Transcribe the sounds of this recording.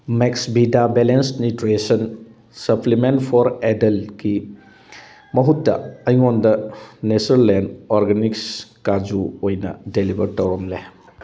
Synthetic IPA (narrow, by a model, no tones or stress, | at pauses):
meksbidabelensnitɾesɐn | sɐplimentpʰɔɾedɐlɡi | mɐɦutːɐ̰ɐjŋondɐnesɐɾlenoɾɡenikskad͡ʒuojnɐ̰delibɐɾtɐwɾɐmle